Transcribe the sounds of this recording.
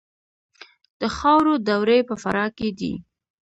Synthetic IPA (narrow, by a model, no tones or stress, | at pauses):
d̪̥əxɑwɾod̪awɾepəfaɾɑked̪ḭ